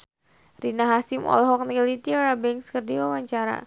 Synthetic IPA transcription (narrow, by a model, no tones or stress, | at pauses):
rinaɦasɪmɔ̰lɦɔk̚nilit̪iɔɾabɛŋkskərdiwawaɲt͡ʃaɾa̰